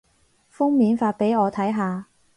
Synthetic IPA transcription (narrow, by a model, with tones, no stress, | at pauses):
fʊ˥ŋmiː˨˧nfaː˧t̚pe˨˥jɔː˨˧t̪ʰɐ˨˥jɦaː˨˧